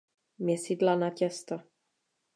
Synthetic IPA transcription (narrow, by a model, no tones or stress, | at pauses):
mɲɛsidlanacɛst̪o